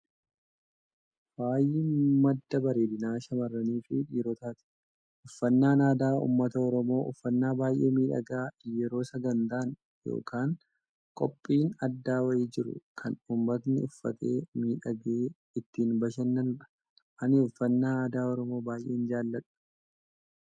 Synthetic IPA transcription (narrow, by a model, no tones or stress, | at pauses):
b̥aːjɪmɐd̪ːɐbɐɾe̞ːd̪ɪnaːʃɐmɐrːɐniːfɪᶑiːɾɔt̪aːt̪ɪ̥ | ʔʊfːɐnːaːnaːd̪aːṵːmːɐt̪ɐɔɾɔmo̞ːʔʊfːɐnːaːbaːjʔe̞ːmiːᶑɐ̰ɡaːjɛɾo̞ːsɐɡɐnt̪aːn | jo̰ːkaːŋ | kʼɔpʼːiːnɐd̪ːaːwɐiːd͡ʒɪɾʊ̰kʰɐnumːɐt̪nɪʊfːɐ̰t̪ʰe̞̰ːmiːᶑɐɡeː | ɪt̪ːiːnbɐʃɐnːɐnᶑɐ̥ | ʔɐnɪʊfːɐnːaːaːd̪aːɔɾɔmo̞ːbaːjʔeːnd͡ʒaːlːɐᶑɐ̥